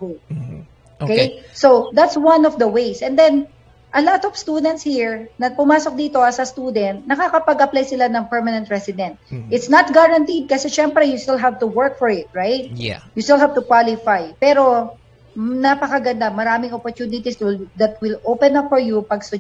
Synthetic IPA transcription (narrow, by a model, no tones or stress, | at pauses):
okejsod̪at̪swɐnɔvd̪ɐwejsʔɛ̃nd̪ɛn | ʔɐlat̪ɔv̥st̪uːd̪ɛnt̪shiɹnɐpʊmaːsok̚d̪iːt̪o̞ɐsɐst̪uːd̪ɛnt̪̚nɐkakɐpɐɡʔɐplajsɪlanɐŋpɛɹmɐnɛnt̪̚ɹɛsɪd̪ɛ̃nt̪̚ʔɪt̪snɐt̪̚ɡaɹɐnt̪id̪̚kɐsɛʃɛmpɾɛjust̪ɪlɦavt̪ʊwɛɹk̚fɔɹɪt̪̚ɹajt̪̚just̪ɪlˠɦavt̪ʊkwalɪfajpɛɾo̞ | napɐkɐɡɐnd̪amɐɾaːmɪŋɔpoɹt̪uːnɪt̪ist̪d̪ɐt̪̚wɪlʔoːpɛ̃nɐpfɔɹjupɐɡst̪ʊ